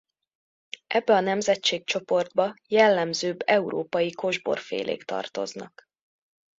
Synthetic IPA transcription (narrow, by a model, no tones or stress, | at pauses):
ʔɛbːɛɒnɛmzɛtt͡ʃeːk̚t͡ʃo̞po̞rd̪̚bɒjɛlːɛmzøːbːɛuɾoːpɒjiko̞ʒbo̞̰rfḛːlʔḛːkt̪ɒ̰rt̪o̞̰znɒ̰k